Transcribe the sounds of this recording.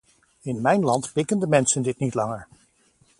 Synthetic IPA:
ɪnmɛjnlɑntbɪkəndəmɛnsəndɪtnitlɑŋəɹ

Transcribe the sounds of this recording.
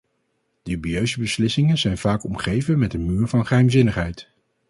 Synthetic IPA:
d̥əbijøɥzəbəslɪsɪŋənzɛjnv̥aːkɔmχejvənmɛtənmyːɹvɑnχəɦɛjmzɪnəχɦɛjt

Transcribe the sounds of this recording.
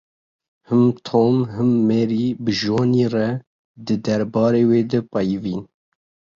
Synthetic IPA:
hɨmt̪ʰoːmɦɨmːeɾiːbɨʒwoːniːrɛ | d̪ɨd̪ɛɾbɑːɾeːweːd̪ɛpɛjviːn

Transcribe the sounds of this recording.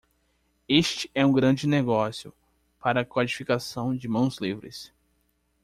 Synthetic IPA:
eʃt͡ʃɪ̥ɛũɡɾɐ̃d͡ʒɪneɡɔsjʊ̰ | paɾɐːkwad͡ʒifikasɐ̃w̃d͡ʒɪmɐ̃w̃zlivɾɪ̰s

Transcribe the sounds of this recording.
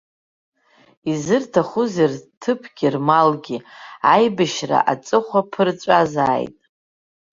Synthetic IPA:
izɨrtʰaχuzirtʰɨpʰɡʲirmalɡʲiajbaʃra̰ʔat͡sʼɨχʷapʰɨrt͡ʃʷʼazaːjtʼ

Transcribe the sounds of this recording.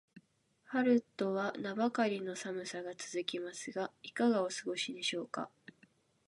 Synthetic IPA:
haɾɯ̟t̪ːo̞βanabakaɾʲino̞samɯ̟saɡat͡sɨzɨkʲimasɨɡaikaɡaosɨɡo̞ɕid̪e̞ɕo̞ːka̰

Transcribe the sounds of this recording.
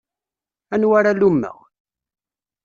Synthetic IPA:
ænwaɾalumːə̰ʁ

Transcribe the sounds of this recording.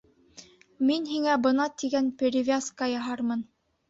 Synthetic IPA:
minɦiŋæbɤ̆nɑt̪iɡænpʲeɾʲɪvʲaskɑjɑɦɑɾmɤn

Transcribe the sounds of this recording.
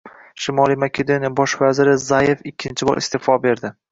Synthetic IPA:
ʃɪmɒlˠijmakʲʰed̪onijbɒʃvazɪɾɪzajefɪkʲʰːɪnt͡ʃʰɪbɒ̰ɾʔɪ̰st̪efɒbe̞ɾd̪ɪ

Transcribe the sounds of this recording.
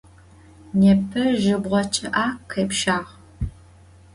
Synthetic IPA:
nɛpʰɐʒɪbʁʷɔt͡ʃʰʼɐʔaːkːɐːpʃaːʁ

